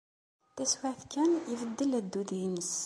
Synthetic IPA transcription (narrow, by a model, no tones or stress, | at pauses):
θæswaθkːænivəd̪ːəlæd̪ːuðinəs